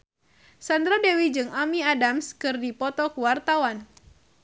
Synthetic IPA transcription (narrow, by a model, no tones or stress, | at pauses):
sandɾadɛwid͡ʒɨŋamiadamskɨrdipɔt̪ɔkuwart̪awan